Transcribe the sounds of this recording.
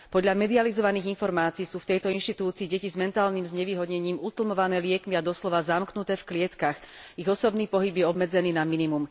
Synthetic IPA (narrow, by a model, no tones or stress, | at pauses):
pɔd̪ʎamɛd̪ializɔʋaniːɣinfɔɾmaːt͡siisuːft̪ɛjt̪ɔinʃt̪it̪uːt͡siːɟɛcizmɛnt̪aːlniːmzɲɛʋiːɦɔd̪ɲɛɲiːmut̪l̩mɔʋanɛːlɪɛkmiad̪ɔslɔʋazamknut̪ɛːfklɪɛt̪kaxiɣɔsɔbniːpɔɦibjɛɔbmɛd͡zɛniːnaminimum